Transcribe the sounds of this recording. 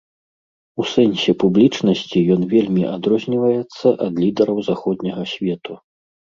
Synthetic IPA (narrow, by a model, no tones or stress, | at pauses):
usɛnʲsʲɛpublʲit͡ʂnɐsʲt͡sʲijɔnvʲelʲmʲiʔad̪ɾɔzʲnʲivɐjɛt̪sːɐʔɐd̪lʲid̪ɛɾɐwzaxɔd̪nʲɐɣɐsʲvʲɛt̪u